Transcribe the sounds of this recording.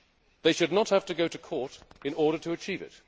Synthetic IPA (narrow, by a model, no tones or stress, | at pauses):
ðeɪʃɨdⁿnət̚hæftɨɡoʊɾɨkʰɔɹɾɨ̃nɔɹɾəɾʰəːt͡ʃʰiːvɪ̰t̚